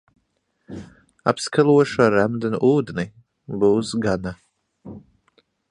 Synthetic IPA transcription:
a̰pskʰalˠuɔʃaɾɛmd̪ɨnuːd̪ni | buːsɡana

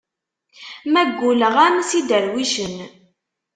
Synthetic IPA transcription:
mæɡːuləʁæmsid̪əɾwiʃən

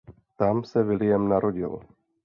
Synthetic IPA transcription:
t̪amsɛvɪlɪjɛmnaɾoɟɪ̰l

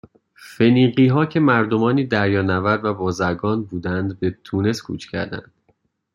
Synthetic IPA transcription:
fe̞niːɢiːɦɒːcʰe̞mæɾd̪o̞mɒːniːd̪æɾjɒːnævæɾd̪væbɒːzæɾɡɒːnbuːd̪ænd̪be̞t̪ʰuːne̞skʰṵːt͡ʃʰcʰæ̰ɾd̪æ̰nd̪̥

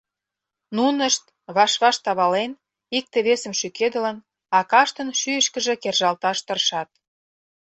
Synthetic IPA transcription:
nunəʃt̪ | βɑʃβɑʃt̪ɑβɑlen | ik̚t̪eβesə̆mʃyked̪ə̆lən | ɑkɑʃt̪ə̆nʃyjəʃkə̆ʒĕkerʒɑlt̪ɑʃt̪ərʃɑt̪̚

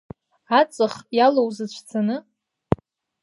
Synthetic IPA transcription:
at͡sʼɨχjalowzɨt͡ɕʷʰt͡sʰanɨ

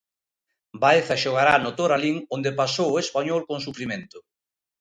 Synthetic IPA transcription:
bajθaʃoɣ̞aɾanot̪oɾaliŋond̪epasowespaɲɔlkoŋsufɾimẽnt̪ʊ

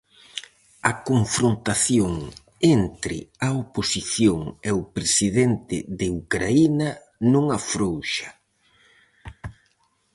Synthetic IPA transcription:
ɐkoɱfɾont̪aθjoŋ | ent̪ɾɪ̰aoposiθjoŋeʊpɾesiðent̪ɪ̰ðeukɾainɐ | nõŋafɾowʃḁ

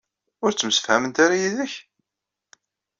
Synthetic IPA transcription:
ʊɾt͡sːəmsə̥fhæmənt̪aɾajiðəç

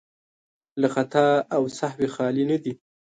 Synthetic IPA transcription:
laxat̪ɑawsahwexɑlinad̪i

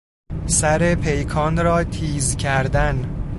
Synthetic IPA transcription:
sæɾepʰejkʰɒːnɾɒːt̪ʰiːzcʰæɾd̪æn

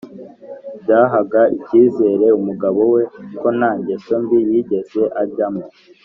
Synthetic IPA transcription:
bɟaːɦaɡaiciːze̞ːɾe̞umuɡaβo̞weko̞naːɲɟe̞so̞mbijiɟe̞ze̞ʔaɾɟamo

